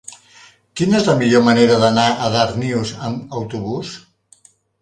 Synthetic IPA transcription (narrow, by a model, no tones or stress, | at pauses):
kinezləmiʎoməneɾəðənaʔəðaɾniwzəməwt̪uβus